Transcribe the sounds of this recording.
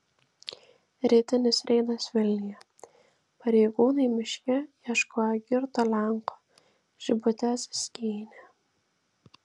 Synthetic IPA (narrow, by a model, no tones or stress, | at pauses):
ɾʲiːt̪ʲɪnʲɪsɾʲʔɛɪd̪ɐsʋʲɪlʲnʲɪjɛ | pɐɾʲɛɪɡuːnɐɪmʲɪʃʲkʲɛjɛʃkoːjɛɡʲɪɾt̪olʲæŋko̥ː | ʒ̥ʲɪbʊt̪ʲɛssʲkʲiːnʲɛ